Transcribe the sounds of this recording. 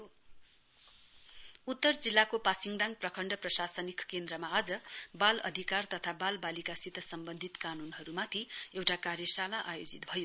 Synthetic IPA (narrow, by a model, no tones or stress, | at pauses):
o | ut̪ːʌrd͡zilːakopasiŋd̪ãŋɡ̚prʌkʰʌɳɖʌprʌsasʌnikkend̪rʌmaːd͡zʌbalʌ̰d̪ʱikart̪ʌt̪ʰabalbalikasit̪ʌsʌmbʌnd̪ʱit̪kanunɦʌɾumat̪ʰiewʈakarjʌsalaʔajod͡zit̪bʱʌjo